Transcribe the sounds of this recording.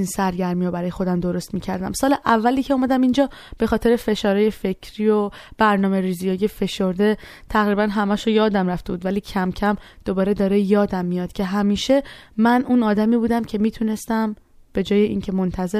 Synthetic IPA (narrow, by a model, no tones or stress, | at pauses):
insæɾɟæɾmiobæɾɒːje̞xo̞d̪æmd̪o̞ɾo̞st̪miːcʰæɾd̪æ̰msɒːleʔævːæliːcʰeuːmæd̪æmind͡ʒɒːb̥e̞xɒːt̪ʰe̞ɾe̞fe̞ʃɒːɾeje̞fe̞cʰɾiːo̞b̥æɾnɒːme̞ɾiːzijɒːjefe̞ʃoɾd̪e̞ | t̪ʰæɣɾiːbænɦæmæʃojɒːd̪æmɾæft̪e̞buːd̪væliːcʰæmcʰæmd̪̥o̞bɒːɾe̞d̪ɒːɾejɒːd̪æmːijɒːd̪̥cʰe̞ɦæmiːʃe̞mænʔuːnɒːd̪æmiːbuːd̪æmcʰe̞miːt̪ʰune̞st̪æm | b̥e̞d͡ʒɒːje̞ʔḭːncʰe̞mo̞nt̪ʰæze